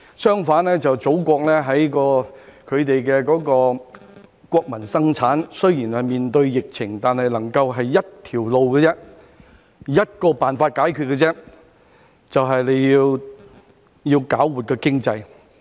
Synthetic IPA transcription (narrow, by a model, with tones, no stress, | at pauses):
sœː˥ŋfaː˨˥nlɛː˥t͡sɐ˨wt͡so˨˥wkʷɔː˧k̚lɛː˥ɦɐ˨˥jkɔː˧kʰɵ˨˧ɥt̪e˨jkɛː˧kɔː˨˥kɔː˧ | kʷɔː˧k̚mɐ˨˩nsɐ˥ŋt͡sʰaː˨˥nsɵ˥ɥjiː˨˩nhɐ˨˩miː˨nt̪ɵ˧ɥjɪ˨k̚t͡sʰɪ˨˩ŋt̪aː˨nɦɐ˨jlɐ˨˩ŋkɐ˧wɦɐ˨jːɐ˥t̚t̪ʰiː˨˩wlo˨wkɛː˧t͡sɛ˥ | jɐ˥t̚kɔː˧paː˨nfaː˧t̚kaː˨˥jkʰyː˧t̚kːɛ˧t͡sɛ˥ | t͡sɐ˨wɦɐ˨jle˨˧jjiː˧w | jiː˧wkaː˨˥wwuː˨t̚kɛː˧kɪ˥ŋt͡sɐ˧j